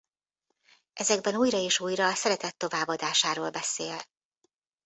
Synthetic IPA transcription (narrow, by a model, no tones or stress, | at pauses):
ʔɛzɛɡ̚bɛnuːjɾɒeːʃuːjrɒːsɛɾɛt̪ɛt̪ːo̞vaːbːɒd̪aːʃaːɾoːlbɛseːl